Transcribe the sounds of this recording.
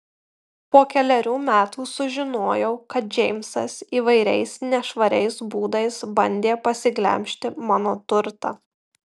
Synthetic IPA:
poːkʲɛlʲɛɾʲuːmʲæːt̪uːsʊʒʲɪnoːjɛʊkɐt̪̚d͡ʒʲɛɪmʲsɐsiːʋɐɪɾʲɛ̰ɪsnʲɛʃʋɐɾʲɛ̰ɪsbuːd̪ɐɪsbɐnʲd̪ʲeːpɐsʲɪɡlʲɛ̰mʲʃʲt̪ʲɪmɑːnoːt̪ʊɾt̪ɑ̰ː

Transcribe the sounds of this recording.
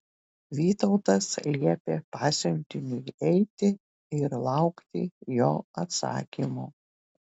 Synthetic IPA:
ʋʲiːt̪ɔʊt̪ɐslʲiɛpʲeːpɑːsʲɛnʲt̪ʲɪnʲʊjɛɪt̪ʲɪ | ɪɾlˠɑʊkt̪ʲɪ̰joːɐt̪sɑ̰ːkʲimuː

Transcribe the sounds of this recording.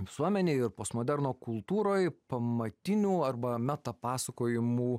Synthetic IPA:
ʋʲɪsuɔmʲɛnʲeːɪɾposmoːd̪ʲɛɾnoːkʊlˠt̪uːɾoːjpɐmɐt̪ʲɪnʲuːɐrbɐmʲæt̪ɐpɑːsɐkoːjɪmuː

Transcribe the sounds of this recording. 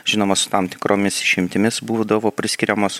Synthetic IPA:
ʒ̥ʲɪnoːmɐsʊ̥t̪ɑmt̪ʲɪ̥kɾʔoːmʲɪsɪʃʲɪmʲt̪ʲɪmʲɪsbuːd̪ɐʋoːpʲɾʲɪsʲkʲɪɾʲɛmos

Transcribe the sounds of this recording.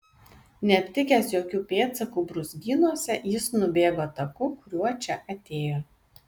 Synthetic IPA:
nʲɛɐpʲt̪ʲɪkʲæsjoːkʲuːpʲeːt̪sɐkuːbɾʊzʲɡʲiːnuɔsʲɛjɪsnʊbʲeːɡoːt̪ɐkʊkʊɾʲuɔt͡ʃʲɛʔɐt̪ʲeːjoː

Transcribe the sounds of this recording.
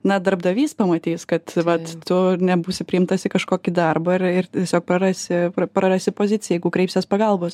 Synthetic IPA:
nɐd̪ɐɾbd̪ɐʋʲiːspɐmɐt̪ʲiːskɐt̪ʋɐt̪tʊnʲɛbuːsʲɪpʲɾʲɪmt̪ɐsʲɪkɐʃkoːkʲɪd̪ɐrbɐɪrɪrt̪ʲiɛsʲoːk̚pɾɐɾɑsʲɪpɐpɾɐɾɑsʲɪpoːzʲɪt͡sʲɪjɛjɛɡʊkɾʲɛɪpʲsʲɛspɐɡɐlˠboːs

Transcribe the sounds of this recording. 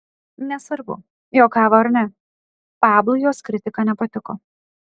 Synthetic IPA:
nʲɛsʋɐɾbʊ̰ | joːkɑːʋɐːɐɾnʲɛ | pɑːblˠʊjoːskɾʲɪt̪ʲɪkɑːnʲɛpɐt̪ʲɪko

